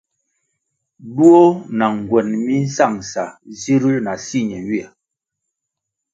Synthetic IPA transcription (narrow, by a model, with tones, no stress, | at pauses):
du˦o˦na˨ŋ˨ɡwɛ˨nmi˦n̩˦sa˦˨ŋsa˨zi˦ɾi˦na˨si˦˨ɲɛ˨wi˦ɛ˨